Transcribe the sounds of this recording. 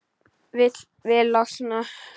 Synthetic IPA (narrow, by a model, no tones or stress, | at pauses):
vɪt̪ | vɪlasna